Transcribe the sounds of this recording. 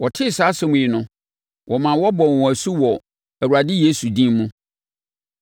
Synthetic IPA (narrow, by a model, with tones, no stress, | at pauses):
wɔ˨tʰɪ˦˨saː˨˦sɛ˦mũ˨ɪ˨nʊ̃˦ | wʔɔ˨mã˨˦wɔ˦bɔ˨wɔ̃˨æ˨su˦wɔ˨ | æ˨wu˨ɾa˨dɪ˦je˦su˨dĩ˦mũ˦